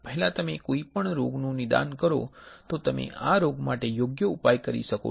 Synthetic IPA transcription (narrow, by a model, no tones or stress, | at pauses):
pəɦɛlãt̪əmekoipəɳɾoɡnũnɪd̪a̰nkəɾo̰t̪ot̪əmḛʔaɾoɡmaʈejoɡjəupajkəɾḭʃəko̰